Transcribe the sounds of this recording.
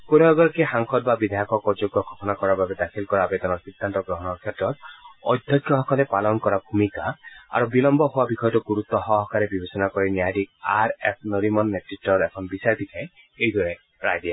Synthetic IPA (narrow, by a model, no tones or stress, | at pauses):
konɔɔɡɔɾɔkehaŋkʰɔt̪̚babid̪ʱajɔkʰɔkɔd͡ʒoɡɔkʰɔ̥kʰɔnakɔɾaɾbabed̪akʰilkɔɾaːbed̪ɔnɔɾsid̪ʱːant̪ɔɡɾɔɦɔnɔɾkʰet̪ɾɔt̪ɔjd̪ʱjɔkʰjɔɦɔkɔlepalɔnkɔɾabʱumikaa̰ɾubilɔmbɔɦowabikʰɔjɔtɔɡuɾut̪ɔɦɔɦɔkaɾebibesɔnakɔɾinjadikaɾepʰnoɾimɔnːetɾiʈːɔɾekʰɔnɔbisaɾd̪it̪ʰae | ejd̪wɔɾe | ɾajde